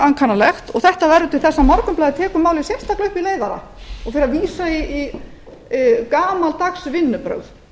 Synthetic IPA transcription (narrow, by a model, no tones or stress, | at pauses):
aŋkʰanːalɛxt̪ɔɣθɛht̪avɛɾðʏt̪ʰɪlθɛsːamɔɾkʏmplajðɪt̪ʰɛːkʏmːaːwlɪisjɛst̪aklʏhpileːjðaɾa̰ | ɔɣfɪɾaviːsaii | kaːmalt̪aksvɪnːʏpɾœ̰wð